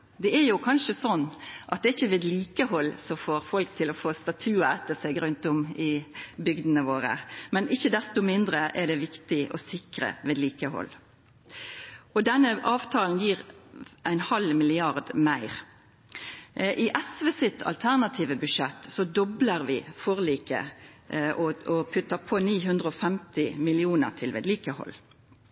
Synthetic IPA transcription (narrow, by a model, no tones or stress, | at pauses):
d̪ɛɛɾjʊkʰɑnʃəsɔnːʔɑt̪̚d̪ɛːɪçːəʋeːd̪liːkəhɔlːsɔfoːɾfɔlk̚t̪ʰɪlɔfoːst̪ɑt̪ʰʉːæːt̪əsɛɡɾʉnt̪ɔmɪbʏɡd̪ənəʋoːɾə̰mɛnɪçːəd̪ɛst̪ʊmɪnd̪ɾəʔɛɖ̪ɛʋɪkt̪ɪʔɔ̰sɪkɾə̰ʋeːd̪liːkəhɔ̰l | ɔd̪ɛnːəʔɑːʋt̪ʰɑːln̩jiːʁæɪnhɑlmɪlɪɑʁd̪mæɪʁ | ʔɪʔɛsʋəsɪt̪ʰɑ̰lt̪ʰæʁnɑt̪ʰiːʋəbʉʂɛt̪ːsɔd̪ɔbləɾʋɪfɔʁliːkə̰ʔɔɔpʰʉt̪ːəpʰoːniːɦʉnd̪ʁəɔfɛmt̪ɪmɪlɪuːnə̰ʁʈʰɪlʋḛːd̪liːkəhɔ̰l